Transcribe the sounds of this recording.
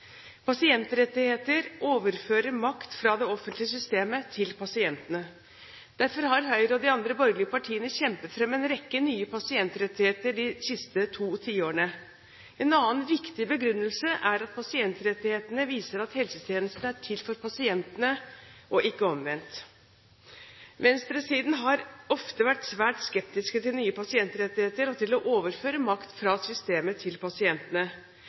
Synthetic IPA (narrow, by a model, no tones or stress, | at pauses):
pʰɑsɪɛnt̪ɾɛt̪ːɪheːt̪əɾoːʋəɾføːɾəɾmɑkt̪fɾɑd̪ɛɔfənt̪lɪəs̬ʏst̪eːmət̪ʰɪlpʰɑsɪɛnt̪ənə | d̪̥æɾfɔɾɦɑɾɦœʏɾɔd̪ɪɑnd̪ɾəbɔɾɡlɪəpɑʈʰiːənəçɛmpət̪fɾɛmːɛnɾɛkːənyːəpɑsɪɛnt̪ɾɛt̪ːɪheːt̪əɖɪsɪst̪ət̪ʰuːt̪ʰiːoːəɳə | ɛnɑːnʋɪkt̪ɪbəɡɾʉnːəlsəʔæɾɑt̪̚pʰɑsɪɛnt̪ɾɛt̪ːɪheːt̪ənəʋiːsəɾɑt̪hɛlsət̪ʰjeːnəst̪n̩æʈʰɪlfɔɾpɑsɪɛnt̪ənəʔɔʔɪkːəɔmʋɛnt̪ | ʋɛnst̪ɾəsiːd̪n̩ɦɑɾɔft̪əʋæʈsʋæːʈskɛpt̪ɪskət̪ɪlnyːəpɑsɪɛnt̪ɾɛt̪ːɪheːt̪əɾɔt̪ɪlɔʔoːʋəɾføːɾəmɑkt̪fɾɑsʏst̪eːmət̪ʰɪlpɑsɪɛnt̪ənə